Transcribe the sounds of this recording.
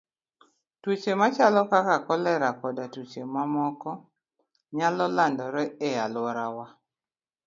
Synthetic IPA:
twut͡ʃemat͡ʃalɔkakakɔlɛɾakɔdatut͡ʃemamɔkɔ | ɲalɔlandɔɾɛɛalwɔɾawa

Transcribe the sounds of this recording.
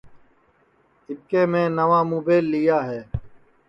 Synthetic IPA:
ɪp̚kẽːmẽːnəʋãːmuːbeːlːijaːɦɛː

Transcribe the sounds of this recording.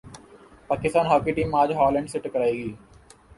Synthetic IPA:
paːkɪst̪aːnɦaːkiʈiːmaːd͡ʒɦɔːlɛ̃ɳɖsɪʈəkəɾaːeːɡiː

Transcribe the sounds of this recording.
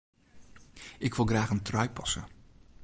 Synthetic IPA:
ʔɪkʋɪlˠɣraːχəntrœɥpɑsə̰

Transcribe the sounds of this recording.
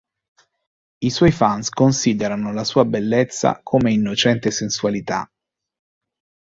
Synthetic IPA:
iswɔjfanskonsiːd̪eɾanolasuːabelːet̪sːa̰kʰomeinːot͡ʃɛnt̪esenswalit̪a̰

